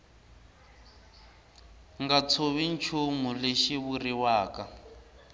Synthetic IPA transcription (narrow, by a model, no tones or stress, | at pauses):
ŋɡat͡sʰoβint͡ʃʰumuleʃiβuriwaːka